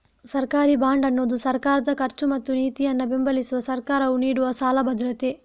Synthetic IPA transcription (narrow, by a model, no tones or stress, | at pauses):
sɐɾkaːɾibaːɳɖɐnːoːd̪usɐɾkaːɾɐd̪ɐkɐɾt͡ʃumɐt̪ːuniːt̪ijɐnːɐbembɐlisuʋɐsɐɾkaːɾɐʋuniːɽuʋɐsaːlɐbʱɐd̪ɾɐt̪e